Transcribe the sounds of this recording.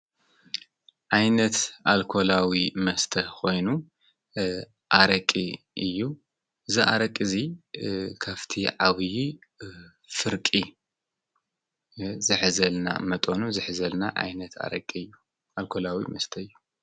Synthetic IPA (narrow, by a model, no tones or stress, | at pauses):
ʕajnɐt̪ʔalkʰo̞lawimɐst̪ʰɐkʰo̞jnu | ʔaɾɐkʼi | ʔɨjːu | ɨziʔa̰ɾɐkʼːɨzi | kʰaβt̪ʰiʕaβɨji | fɨɾkʼi | zɨħzɐlna̰mɐt̪ʼonuzɨħzɐlnaʔa̰jnɐt̪ʰa̰ɾɐkʼːiɨjːu | ʔalkʰolawḭmɐst̪ʰɐɨjːu